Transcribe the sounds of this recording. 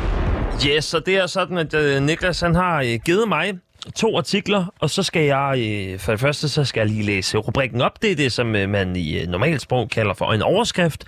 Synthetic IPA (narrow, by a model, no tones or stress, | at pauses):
jesɒ̽d̥e̝æɐsɒ̽d̥n̩æd̥niɡ̥læshænɦɑ̈øɡ̥eːð̩ˠmɑ̈ɪ | t͡sʰo̝̰ːɑ̈t͡sʰiɡ̥lɐɒ̽sɒ̽sɡ̥æjɑ̈ɪøfɒ̽d̥e̝fɶɐsd̥əsɒ̽sɡ̥æjäliːlḛːsəʁub̥ʁiɡ̥n̩ɒ̽b̥d̥e̝d̥e̝sɒ̽mːæninɒmɛ̰ːld̥sb̥ʁɔ̽ʊkʰælɐfɒ̽e̝nɒʊɐsɡ̥ʁafd̥